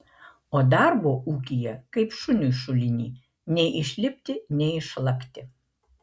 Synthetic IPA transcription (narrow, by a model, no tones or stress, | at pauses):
oːd̪ɑˑɾboːʔuːkʲijɛkɐɪpʃʊnʲuʃʊlʲɪnʲiː | nʲɛɪʔɪʃʲlʲɪpʲt̪ʲɪnʲɛɪɪʃlˠɐkt̪ʲɪ